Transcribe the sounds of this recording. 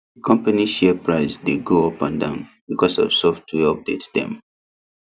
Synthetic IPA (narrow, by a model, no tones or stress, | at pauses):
dəkʰɔ̃mpaniʃɛpɹaɪsdeɡoɔpãndã̰ʊ̃nbikʰɔsɔ̰vsɔftʰiɔp̚detsd̥ɛ̰̃m